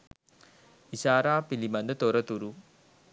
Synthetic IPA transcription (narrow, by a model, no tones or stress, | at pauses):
isaːɾaːpilimɐnd̪ət̪oɾɐt̪uɾu